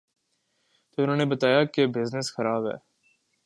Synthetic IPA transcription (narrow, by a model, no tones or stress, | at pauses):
t̪oʊnõːnebɐt̪aːjakebɪznəsxɐɾaːbɦɛ̰ː